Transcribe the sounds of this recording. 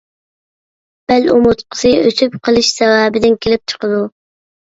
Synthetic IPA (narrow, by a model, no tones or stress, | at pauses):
b̥ælomʊt̪qʰə̥sɨøsʰypqʰəlˠɪʃsɛwæːbɪd̪ɪnkʲʰelɪp̚t͡ʃʰə̥qəd̪u